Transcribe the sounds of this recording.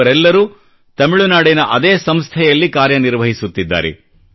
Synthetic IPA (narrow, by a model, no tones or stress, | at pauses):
ɐɾɛlːɐɾuː | t̪ɐmiɭunaːɽinɐʔɐd̪eːsɐmst̪ʰɛjɐlːikaːɾjɐniɾʋɐɦisut̪ːid̪ːa̰ːɾɛ̰